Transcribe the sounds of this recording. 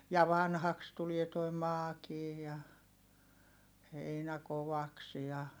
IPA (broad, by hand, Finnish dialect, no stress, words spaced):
jɑ ʋɑnhɑks tulie toi mɑːkiː jɑ heinæ koʋɑks jɑ